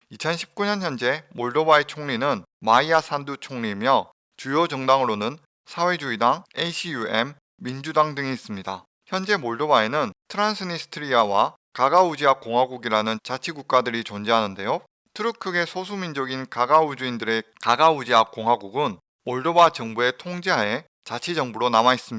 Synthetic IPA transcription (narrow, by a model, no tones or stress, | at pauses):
it͡ɕʰʌnɕʰi̥p̚k͈uɲʌnçjʌnd͡ʑe̞moɭdobaet͡ɕʰoŋɲinɯn | maiasʰandut͡ɕʰoŋɲimjʌ | t͡ɕujod͡ʑʌŋdaŋɯɾonɯn | sʰawe̞d͡ʑuidaŋeɕʰijuemː | ind͡ʑudaŋdɯŋiːs͈ɯmɲida̰ | çjʌnd͡ʑe̞moɭdobaenɯntʰɯɾansʰɯnisʰɯ̥tʰɯɾiawa | kaɡaud͡ʑiakk͈oŋɦaɡuɡiɾanɯnt͡ɕat͡ɕʰiɡuk̚k͈adɯɾit͡ɕond͡ʑeɦanɯnde̞jo | tʰɯɾɯkʰɯɡe̞sʰosʰumind͡ʑʌɡinkaɡaud͡ʑuindɯɾe̞kaɡaud͡ʑiak̚k͈oŋɦaɡuɡɯn | moɭdobat͡ɕʌŋbue̞tʰoŋd͡ʑeɦae̞ | t͡ɕat͡ɕʰid͡ʑʌŋbuɾonamais͈ɯm